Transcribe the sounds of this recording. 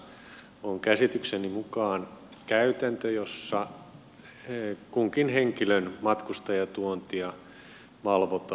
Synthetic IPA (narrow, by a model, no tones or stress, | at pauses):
oŋkæsit̪yksenimukɑːnkæyt̪ænt̪øjosːɑ | kuŋkinheŋkilønmɑt̪kust̪ɑjɑt̪uont̪iɑ | ʋɑlʋot̪